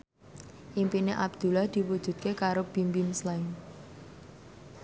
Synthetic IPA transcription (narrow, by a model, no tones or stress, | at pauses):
ʔimpineʔabd̪̥ṳlahd̪̥i̤wud̥ʒ̥ṳt̪̚kekaɾob̥impinslan